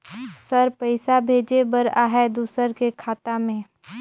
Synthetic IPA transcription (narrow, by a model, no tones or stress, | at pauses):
səɾpəɪsabʱeːd͡ʒebəɾaːɦɛd̪uːsəɾkekʰaːt̪amẽː